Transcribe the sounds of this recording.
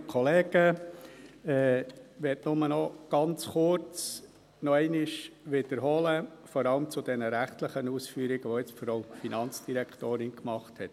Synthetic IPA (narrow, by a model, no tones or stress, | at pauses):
kʰɔleːɡ̥ə | ɛːʋɛtnʊmənɔɡ̥ɑnt͡sχʊɾt͡s | nɔɛɪnɪʃʋɪd̥əɾɦɔləfɔɾɑləmt͡sʊd̥ɛnəɾæχtləχənuːsfyːɾɪɡ̥əʋɔɪt͡sfɔɾɔʊfinɑnt͡sd̥iɾɛktoːɾɪnkmɑχthɛt